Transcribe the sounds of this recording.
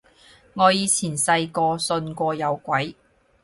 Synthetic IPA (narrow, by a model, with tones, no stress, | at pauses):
ŋɔː˨˧jiː˨˧t͡sʰiː˨˩nsɐ˧jkɔː˧sɵ˧nkʷɔː˧jɐ˨˧wkʷɐ˨˥j